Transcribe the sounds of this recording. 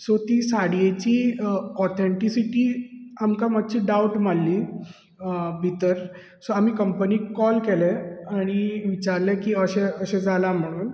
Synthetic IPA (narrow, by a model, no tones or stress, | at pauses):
sot̪iːsaɽijet͡ɕiːɔt̪ʰeɳʈisiʈiːamkamat̪̚t͡ɕiːɖawʈmalːiː | bʱit̪əɾ | soamiːkəmpəniːkːɔlkeleaɽ̃iʋit͡ɕaɾlɛkiːəɕeəɕẽd͡zʱalam̤əɽ̃uːn